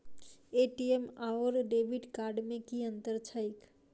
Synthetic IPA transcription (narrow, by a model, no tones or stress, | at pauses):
eʈiemaoɾɖebiɖkaɾɖmẽkiə̃nt̪əɾt͡ʃʰəjk